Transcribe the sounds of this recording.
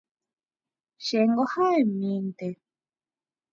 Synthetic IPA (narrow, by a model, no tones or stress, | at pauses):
ʃeŋɡohaemĩnt̪e